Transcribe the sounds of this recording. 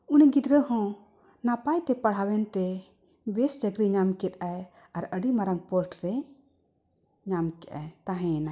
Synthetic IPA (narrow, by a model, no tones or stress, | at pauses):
unɛɡid̪ɾəhɔ̃ | napajt̪ɛpaɽ̤awɛnt̪ɛ | bɛsd͡ʒəɡɾiɲamkɛt̪aj | aɾəɽimaɾaŋpəʈɾɛ | ɲamkɛʔa̰jt̪aɦɛ̃na